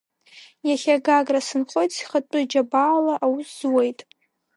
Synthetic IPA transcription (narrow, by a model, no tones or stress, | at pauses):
jaχʲaɡaɡrasɨnχʷo̞jtʼsi̥χatʷʼʊd͡ʒabaːlaʔawuszwe̞jtʼ